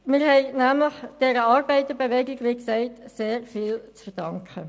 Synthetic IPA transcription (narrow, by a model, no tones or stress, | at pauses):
mɪːɾhɛɪnæːmləχd̥ɛːɾəɑːɾbɛɪt̪əbeʋɛɡɪɡʋiksɛɪtseːɾfiːlt͡sfəd̥ɑŋkʰə